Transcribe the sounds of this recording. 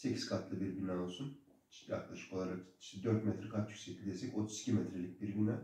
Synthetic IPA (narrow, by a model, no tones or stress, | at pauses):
se̞cʰi̥z̥kʰat̪lˠɯbiɾɟynæolˠsun | t͡ʃjja̰klˠaʃɯ̥kʰo̞lˠaɾaki̥ʃt̪ɛd̪ø̞ɾt̪mɛt̪ʰɾɛkʰat̪jycʲsɛclʲid̪esɛco̞t̪ʰu̥zi̥cʰʲimɛt̪ʰɾelʲic̚biɾɡynæ